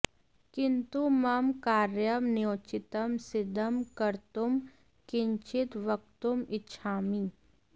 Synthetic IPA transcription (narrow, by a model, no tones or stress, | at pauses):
kɪnt̪umɐmkaːɾjəmnjoːt͡ʃɪt̪əmsɪd̪ʱəmkɐɾt̪um | kɪɲt͡ʃɪt̪ʋɐk̚t̪umɪtːʃʰaːmiː